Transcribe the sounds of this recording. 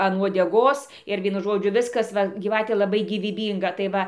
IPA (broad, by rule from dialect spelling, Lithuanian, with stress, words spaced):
ɐn uɔdʲɛˈɡoːs ɪr ˈʋʲiɛnʊ ˈʒoːd͡ʒʲʊ ˈʋʲɪskɐs ˈʋɐ ɡʲiːˈʋɑːtʲeː lˠɐˈbɐɪ ɡʲiːʋʲiːˈbʲiːŋɡɐ tɐɪ ˈʋɐ